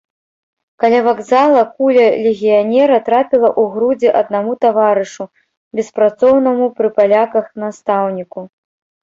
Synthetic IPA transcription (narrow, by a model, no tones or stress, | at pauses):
kalʲavaɡzalˠɐkulʲɐlʲeɣʲijanʲɛɾɐt̪ɾapʲilˠɐʔuɣɾud͡zʲɛʔɐd̪̚namut̪avaɾɨʂu | bʲɛspɾat̪sɔwnɐmupɾɨpalʲakɐxnast̪awnʲiku